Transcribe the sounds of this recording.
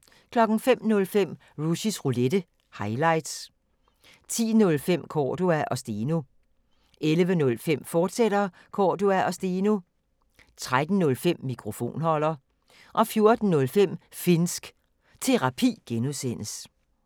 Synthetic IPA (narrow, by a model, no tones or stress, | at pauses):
kʰlɒ̽ɡ̥n̩fem̰nɔ̽lfem̰ | ʁuɕisʁuled̥ə | hɑ̈ɪlɑ̈ɪ̰d̥s | t͡sʰḭːnɔ̽lfem̰kʰɒːd̥uæʔɒ̽sd̥eːno | ʔelʋənɔ̽lfem̰fɒːd̥sed̥ɐ | kʰɒːd̥uæʔɒsd̥eːno | t͡sʰʁad̥n̩ːɔ̽lfem̰ːikʰʁo̝fo̝̰ːnhɒ̽l̰ɐ | ʔɒ̽fjo̝ɐd̥n̩nɔ̽lfem̰fe̝nsɡ̥ | t͡sʰe̝ʁɑ̈pʰḭːɡ̥enusen̰əs